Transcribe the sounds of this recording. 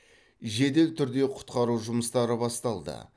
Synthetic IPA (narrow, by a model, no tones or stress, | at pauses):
ʒe̞d̪e̞lt̪ʰʏɾd̪e̞qʰʊ̥t̪qɑɾuʒʊməst̪ɑɾəbɑst̪ɑlˠd̪ə̰